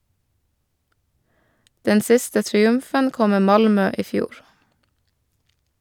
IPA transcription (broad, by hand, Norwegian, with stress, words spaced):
ˈdɛn ˈsɪstə tɾɪˈʉmfən ˈkɔ ˈmeː ˈmɑlmœ ˈiː ˈfjuːɾ